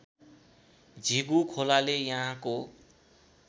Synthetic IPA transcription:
d͡zʱiɡukʰolalejʌɦãko

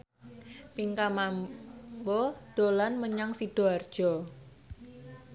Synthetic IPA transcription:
piŋkamambɔd̥olanməɲaŋsid̥oard̥ʒ̥ɔ

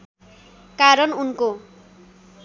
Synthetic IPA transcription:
kaɾʌnunko

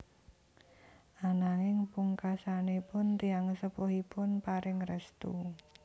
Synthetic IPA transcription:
ʔanaŋɪŋpuŋkasanepʊnt̪iaŋəsəpoɦipʊnpaɾɪŋrəst̪ṵ

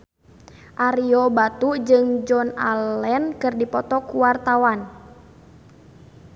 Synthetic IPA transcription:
ʔaɾiɔbat̪ud͡ʒɨŋd͡ʒɔna̰lɛnkɨrdipɔt̪ɔkuwart̪awan

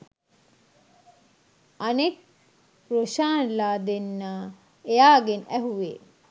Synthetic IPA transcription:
ɐnek | ɾoʃaːnlaːd̪enːaː | ejaːɡenæɦuʋḛː

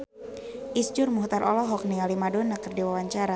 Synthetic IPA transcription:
ʔisd͡ʒʊrmuht̪aɾʔɔlɔɦɔk̚nialimadɔnakɨrdiwawaɲt͡ʃaɾa

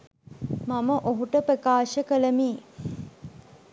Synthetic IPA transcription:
maməʔoɦuʈəpɾəkaːʃəkələmiː

